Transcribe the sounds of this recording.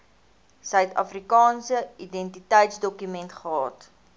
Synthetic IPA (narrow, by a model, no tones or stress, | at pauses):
sœɥtɐ̰frikɑːnsəidɛntitəjtsdɔkymɛntχəɑːt